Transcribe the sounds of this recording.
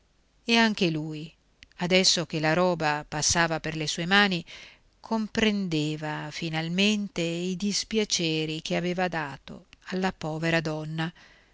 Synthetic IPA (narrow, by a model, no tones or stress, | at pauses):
eaŋk̟eluːj | ad̪ɛsːok̟elaɾɔːbapasːaːvaperlesuːemaːni | kʰompɾend̪eːvafinalment̪eid̪ispjat͡ʃeːɾikeaveːvad̪aːt̪o̰alːapɔːveɾad̪ɔnːa